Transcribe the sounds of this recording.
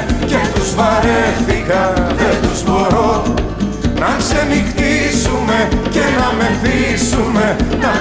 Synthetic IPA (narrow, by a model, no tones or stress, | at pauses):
ce̞t̪uzvɐɾeθikɐðent̪uzbo̞ɾo | nɐnse̞nixt̪isume̞cenɐme̞nθisume̞t̪ɐ